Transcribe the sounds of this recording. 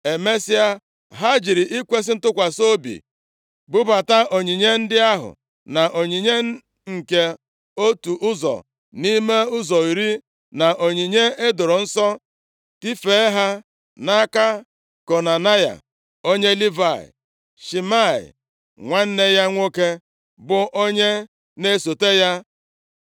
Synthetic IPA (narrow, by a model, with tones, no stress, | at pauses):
e˨me˦si˦a˦ | ɦa˦d͡ʒi˨ɾi˨ʔi˦kʷe˦s̬ɪ˦n̩˦tʊ˦kʷa˨so˦bḭ˨ | bʊ˦ba˨ta˦ʔo˨ɲi˨ɲe˦n̩˦dɪ˦a˦ɦʊ̰˨ | na˨ʔo˨ɲi˨ɲe˦ | ŋ̩˨ke˦ | o˦tu˨ʔʊ˦zɔ̰˨ | ni˦me˦ʊ˦zɔ˨i˨ɾi˦ | na˨ʔo˨ɲi˨ɲe˦e˦do˨ɾo˨n̩˦sɔ˦ | ti˦fe˨˦ɦa˦ | na˦ka˦ | ko˨na˨na˦ja̰˨ | o˦ɲe˦li˦va˦˨ɪ̰˨ | ʃi˨ma˦˨ɪ̰˨ | ŋʷa˦n̩˦ne˦ja˦ŋʷo˦ke˦ | bʊ˨ʔo˦ɲe˦ | ne˦so˨te˦ja˦